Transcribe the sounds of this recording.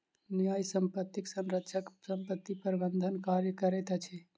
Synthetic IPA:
nijajsəmpət̪ːiksənɾəkʃʰəksəmpət̪ːipəɾbənd̪ʱənkaɾjəkəɾɛt̪at͡ʃʰɛ

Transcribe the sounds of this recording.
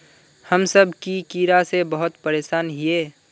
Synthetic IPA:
həmsəbʱkikiːɾasebəɦʊt̪pəɾeːʃaːnɦieː

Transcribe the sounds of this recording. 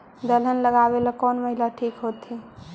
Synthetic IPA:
d̪ələnləɡabeləkɔnməɦilaʈʰikɦot̪i

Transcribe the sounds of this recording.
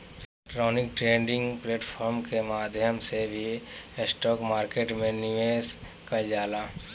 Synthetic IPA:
ʈɾɔːnɪkʈɾeːɳɖɪ̃ŋɡpleːʈpʰɔːɾmkemaːd̪ʱjəmsebʱisʈɔːkmaːɾkeːʈmẽnɪʋeːskəld͡ʒaːlaː

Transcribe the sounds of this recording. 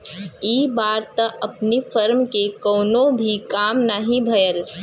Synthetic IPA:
iːbaːɾt̪ɐɐpnifəɾmkekɔːnõbʱikaːmnaɦĩbʱɐjəl

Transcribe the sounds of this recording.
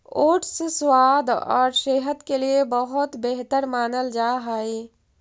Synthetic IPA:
oːʈʰseswaːd̪ʱɔ̰ːɾʃeːɦəd̪keliebəɦʊt̪beɦt̪əɾmaːnəld͡ʒaːɦaːeː

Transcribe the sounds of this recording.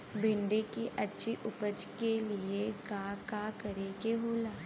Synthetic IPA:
bʱɪ̃ɳɖekiʔɐtːʃʰiʔʊpəd͡ʒkeliekaːkakɐɾeɡeɦoːlaː

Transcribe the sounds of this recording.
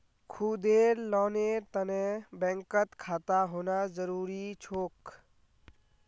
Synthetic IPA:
kʰuːd̪eːɾlɔːneːɾt̪ənẽbɛ̃ːŋkət̪kʰaːt̪aɦoːnazəɾuːɾit͡ʃʰoːk

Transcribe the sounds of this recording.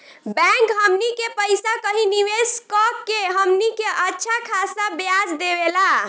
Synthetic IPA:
bɛ̃ŋkɦəmnikepəjsakəɦiniʋeskɔkːeɦəmnikeʔətːʃʰakʰasabjad͡ʒd̪ebela

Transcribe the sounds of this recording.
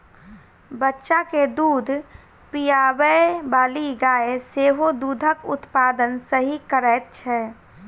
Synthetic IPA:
bətːʃaked̪uːd̪ʱ | pijaːbəbaːliɡaːeseːɦod̪uːd̪ʱəkʊ̰t̪paːd̪ənsəɦikəɾɛːt̪̚t͡ʃʰɛː

